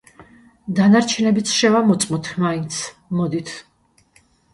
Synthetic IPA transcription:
d̪anaɾt͡ʃʰɛnɛbit̪sʰʃɛvamɔt̪sʼmɔt̪ʰmaint̪sʰ | mɔd̪it̪ʰ

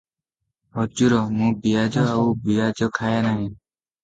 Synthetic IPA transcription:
ɔd͡ʒuɾɔmũbijad͡ʒɔaubijad͡ʒɔkʰajanaɦĩ

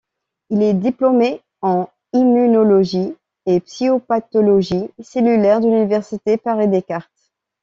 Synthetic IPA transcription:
ilɛd̪iplɔme | ɑ̃ | imynɔlɔʒi | epsiopat̪ɔlɔʒiselylɛʁd̪ylynivɛʁsit̪epaʁed̪ekaʁt̪

